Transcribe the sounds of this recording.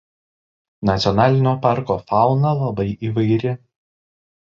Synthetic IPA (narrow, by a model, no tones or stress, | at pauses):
nɐt̪sʲɔnɑːlʲɪnʲoːpɑˑɾkoːfɑˑʊnɐlˠɐbɐɪʔiːʋɐɪɾʲɪ